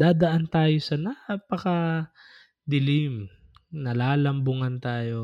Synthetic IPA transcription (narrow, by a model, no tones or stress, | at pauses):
d̪aːd̪ɐʔant̪aːjo̞sɐnapɐkɐ | d̪ɪlɪm | nɐlaːlɐmbʊŋɐnt̪aːjo̞